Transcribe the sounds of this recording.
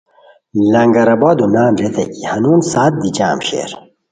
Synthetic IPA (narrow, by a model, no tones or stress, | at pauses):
lɐŋɡɐɾɐbɔːd̪unaːnɾet̪ʰɐ̰ʔihɐnuːnsaːt̪̚d̪id͡ʑa̰ːmɕḛɾ